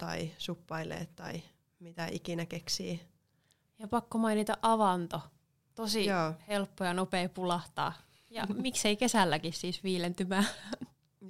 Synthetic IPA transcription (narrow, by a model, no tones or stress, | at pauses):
t̪ɑ̰isupːɑilḛːt̪t̪ɑ̰i | mit̪æʔikinækeksiː | jɑpɑkːomɑinit̪ɑʔʔɑʋɑnt̪o | t̪osijoːhelpːojɑnopeːpulɑht̪ɑ̰ː | jɑ̰mikseikesælːækissiːsʋiːlent̪ymæː